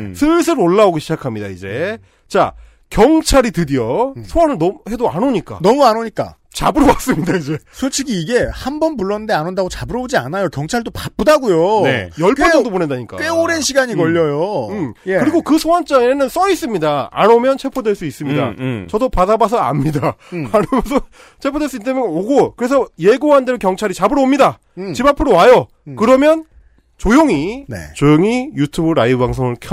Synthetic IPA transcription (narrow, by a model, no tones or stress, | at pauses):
sʰɯs̬ʰɯɾoɭːaoɡiɕʰid͡ʑakʰamɲida̰id͡ʑe̞ | t͡ɕa̰ | kjʌŋt͡ɕʰaɾitɯdiosʰowanɯnnʌmhe̞doa̰noɲik͈a̰nʌmuanoɲik͈a̰ | t͡ɕa̰bɯɾowas͈ɯmɲidaid͡ʑe̞sʰot͡ɕʰiɡiːɡe̞hambʌnpuɭːʌnɯndeanondaɡot͡ɕabɯɾʌod͡ʑia̰najokjʌŋt͡ɕʰaɭdopap͈̚ɯdaɡujonejʌɭpʰʌʌdoponendaɲik͈a̰k͈eoɾenɕʰiɡaɲikʌʎːʌjoɯmɯɾiɡokɯsʰoɦant͡ɕ͈aŋe̞nɯns͈ʌis͈ɯmɲida̰ːnomjʌnt͡ɕʰe̞pʰodweɭs͈uis͈ɯmɲida̰t͡ɕʌdopadabas̬ʰʌa̰mɲidaanʌmʌnsʰʌ | t͡ɕʰe̞pʰodweɭs͈uit͈amjʌnoɡokɯɾe̞sʰʌje̞ɡoɦandeokjʌŋt͡ɕʰaɾit͡ɕabɯɾʌomɲida | t͡ɕibapʰɯɾowajo | kɯɾʌmjʌn | t͡ɕojoŋinḛt͡ɕojoŋijutʰubɯɾaiobaŋs̬ʰoŋɯɭkʰjʌ